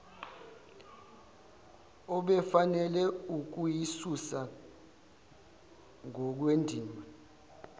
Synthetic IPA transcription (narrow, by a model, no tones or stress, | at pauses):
ɔɓɛfanɛlɛuk̬ujisusa | ŋɔk̬wendʱiːma